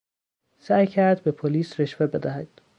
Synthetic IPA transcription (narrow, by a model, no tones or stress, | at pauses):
sæːjcʰæɾd̪bepʰoliːsɾeʃvebed̪æɦæd̪̥